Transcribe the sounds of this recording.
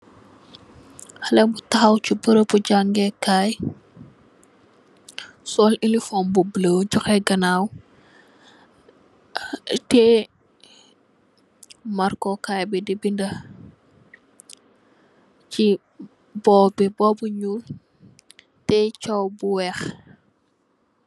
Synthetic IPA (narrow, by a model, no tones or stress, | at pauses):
hɐlɛbutɐxɐwt͡ʃubəɾəbuɟaŋɡɛkaːj | sɔːlinlifɔmbubləwɟɔxɛɡɐnaːw | tɛ | maɾkɔkaːjbidɛbindɐ | t͡ʃi | bɔːbibɔːbuɲuːl | tɛt͡ʃɔwbuwɛx